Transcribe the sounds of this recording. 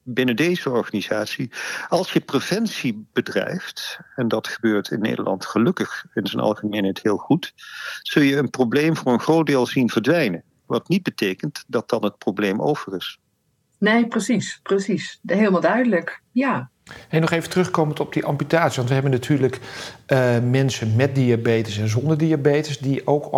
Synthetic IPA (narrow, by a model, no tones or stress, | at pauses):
bɪnədejzəɔɹχaniz̥aːtsiɑlˠsjəprev̥ɛnsib̥ədrɛ̰jftɛndɑtχəbøːɹtʰɪnːḛjdəɹlʔɑ̰ntχəlɵkəχɪnzənɑ̰lˠχəmejnɦɛtɦɪːlˠχutz̥ɵlˠjəənproblejmvʊːɹənχrowt̚dɪːlˠzinvəɹdʋɛjnə | ʋɑtnid̚bətejkəntdɑt̚dɑnɦət̚problejmo̰wv̥ərɪs | nejprəsisprəsisɦeləmalˠdœɥdələkjaː | hejnɔχejvəntərɵχkowməntɔb̚diʔɑmpytaːtsiʋɑntʋəɦɛbənatʰyːɹlək | mɛnsənmɛt̚diabejtəsɛnzɔndəɹdiabeːtəsdiʔowk